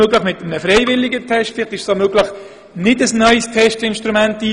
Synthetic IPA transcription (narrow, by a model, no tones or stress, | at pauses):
øɡlɪχmɪt̪əmənəfɾɛɪvɪlɪɡətʰɛʃtfɪlɪχt̪ɪʃsomøːɡlɪχ | nɪdəsnœʏstʰɛʃtɪnʃtɾumæntiː